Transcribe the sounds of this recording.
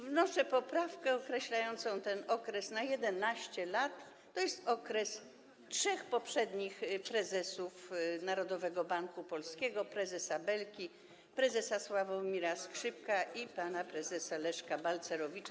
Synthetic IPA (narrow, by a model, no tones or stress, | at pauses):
vnɔʂɛpɔpɾafkɛɔkɾɛɕlajɔnt̪sɔ̃w̃t̪ɛnɔkɾɛsnajɛd̪ɛnaɕt͡ɕɛlat̪ː | ɔjɛst̪ɔkɾɛs | tʂɛxpɔpʂɛd̪ɲixpɾɛzɛsufnaɾɔd̪ɔvɛɡɔbaŋkupɔlskʲɛɡɔpɾɛzɛsabɛlkʲi | pɾɛzɛsaswavɔmʲiɾaskʂɘp̚kaʔipanapɾɛzɛsalɛʂkabalt̪sɛɾɔvʲit͡ʂa